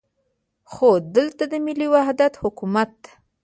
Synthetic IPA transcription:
xod̪əlt̪ad̪əmɪliwahd̪at̪hʊkumat̪̚d̪ḁ

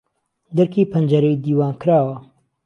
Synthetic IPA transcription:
d̪ɐɾkʰiːpʰɐnd͡ʒɐɾɐjd̪iːwaːnkʰɨɾaːwɐ

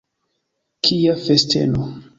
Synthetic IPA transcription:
kʰiafestʰḛno

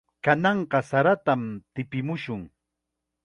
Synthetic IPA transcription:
kanɑɴɢɑsaɾat̪amt̪ɪpɪmʊʃʊŋ

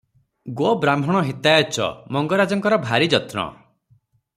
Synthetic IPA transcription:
ɡobɾambʱɔɽ̃ɔɦit̪ajɔt͡ʃɔ̰mɔŋɡɔɾad͡ʒɔŋkɔɾɔbʱaɾid͡ʒɔt̪nɔ̰

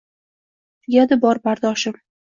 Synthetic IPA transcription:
ɡʲad̪ɪbɒɾbaɾd̪ɒʃɪm

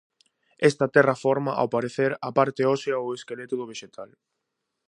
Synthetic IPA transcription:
ɛst̪ɐt̪ɛrɐfɔɾmaʔa̰wpaɾeθeɾapaɾt̪eɔseaoeskelet̪ʊðʊβ̞eʃet̪ʰal

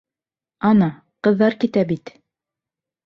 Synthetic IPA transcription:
ɑnɑ | qɤ̆ðːɑɾkit̪æbit̪

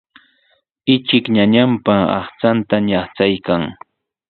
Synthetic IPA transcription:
ɪt͡ʃɪkɲaɲampaɑ̰χt͡sant̪aɲɑχt͡sajkaŋ

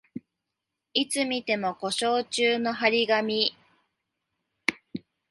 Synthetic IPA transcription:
it͡sɨmʲit̪e̞mo̞ko̞ɕo̞ːt͡ɕɨːno̞ɦaɾʲiɡamʲi

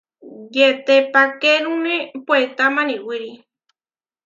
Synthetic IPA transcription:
jet̪epakeɾũnẽpwet̪amãnĩwiɾi

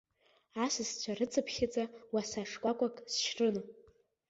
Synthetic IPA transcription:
asɨzt͡ɕʷʰarɨt͡sʰʼɨpʰχʲɪt͡sʼawasaʂkʷʼakʷʼakʼsʃrʼɨno

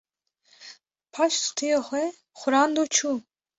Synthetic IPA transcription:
pʰaʃst̪ʰijɔχʷɛ | χʷɾand̪ut͡ʃʰu

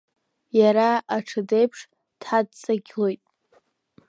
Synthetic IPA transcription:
jaɾaaʈ͡ʂʰɨdejpʰʂ | d̥ħad̚t͡sʼaɡʲlo̞jtʼ

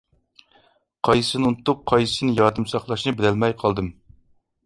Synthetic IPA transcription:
qʰɑjɨsɨnɨunt̪ʰːʊp̚qʰɑjsɨsɨnɨjɑɾd̪ɨmsɑχlˠɑʃnɨbɪd̪ælmɛjqʰɑlˠd̪ɨm

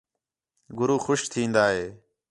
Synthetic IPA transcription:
ɡʊɾuːxʊʃt̪ʰĩːnd̪aːɦeː

